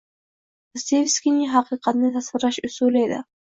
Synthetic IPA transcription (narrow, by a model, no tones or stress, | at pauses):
st̪evʲskʲinɪɦɑqʰɨqʰɑt̪nɪt̪ʰasvɪɾlaʃʊsuled̪ɪ̰